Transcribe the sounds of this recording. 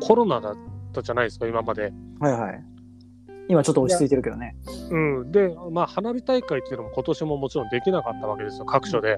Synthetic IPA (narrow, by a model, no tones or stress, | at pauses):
kʰo̞ɾo̞nad̪at̪ːaʑanaid̪esɨ̥kaimamad̪e̞hajha̰i | imat͡ɕo̞t̪ːot͡ɕi̥t͡sɨit̪eɾɯ̟ke̞d̪o̞̰neɯ̟̃ːd̪e̞maːhanabʲit̪aikait̪oeiɯ̟no̞moko̞t̪o̞ɕimo̞mo̞t͡ɕiɾõ̞nd̪e̞kʲinakat̪ːaβ̞ake̞d̪e̞sɨjo̞kʰakɯ̟̥ɕo̞d̪e